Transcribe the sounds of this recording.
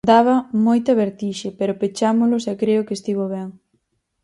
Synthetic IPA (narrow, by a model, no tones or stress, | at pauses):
d̪aβɐmojt̪ɐβeɾt̪iʃepɛɾopet͡ʃamʊlʊsɛkɾeʊkest̪iβoβɛŋ